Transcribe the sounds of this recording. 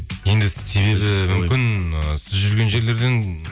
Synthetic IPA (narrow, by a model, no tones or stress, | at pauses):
je̞nd̪ɪse̞βe̞bɪmʏmʲɪnəsɪzʒʏɾɡʲe̞nʒe̞ɾle̞ɾd̪e̞n